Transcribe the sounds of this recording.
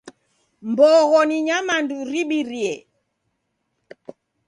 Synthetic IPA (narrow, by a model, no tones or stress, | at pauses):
mbɔɣɔniɲamanduɾiɓiɾiɛ